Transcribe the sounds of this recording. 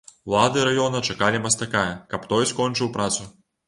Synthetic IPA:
lˠad̪ɨɾajɔnɐt͡ʂakalʲimɐst̪akajɐkɐpt̪ɔjskɔnt͡ʂɨwpɾʔat̪su

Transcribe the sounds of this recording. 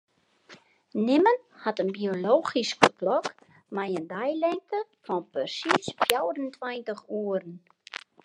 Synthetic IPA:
nɪmən | hatənbioloːχiskfəklɔk | mɛjəndɛjlɛŋkəfɔnpərsisfjawɾəntʰwɛjntəχuəɾən

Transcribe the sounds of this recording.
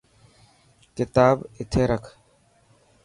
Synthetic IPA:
kɪt̪aːbɪt̪ʰeːɾəkʰ

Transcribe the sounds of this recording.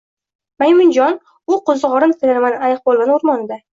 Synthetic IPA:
majmɪnd͡ʒɒn | ʊqozɨʁɒɾɨnt̪ʰɪlaɾmanajq̚bolˠɡanʊɾmɒnɪd̪a

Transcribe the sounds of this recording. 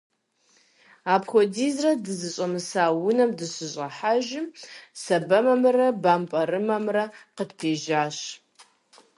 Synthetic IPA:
aːpxʷɔdiːzrɐdɨzɨɕʼɐmɨsaːwʊnɐmdɨɕɪɕʼɐħaʒɪmsɐbɐmɐmɨrɐbaːmpʼɐɾɨmɐmrɐqədpʰeːʒaːɕ

